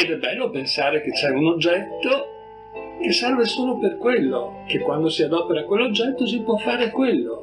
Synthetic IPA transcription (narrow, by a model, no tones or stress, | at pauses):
ed̪ɛbɛlːopensaːɾek̟et͡ʃːɛunod͡ʒːɛt̪ːo | kesːɛrvesoːloperkwelːok̟ekːwand̪osiad̪ɔpeɾakwelːod͡ʒːɛt̪ːos̬ipwɔfːaːɾekwelːo